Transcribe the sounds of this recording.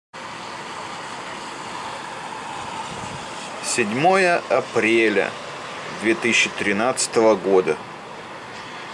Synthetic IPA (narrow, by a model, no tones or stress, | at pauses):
sʲɪdʲmojəɐpɾʲelʲə̰ | d̪vʲet̪ɨsʲɕːɪt̪ɾʲɪnat̪sɨ̥t̪əvəɡod̪ə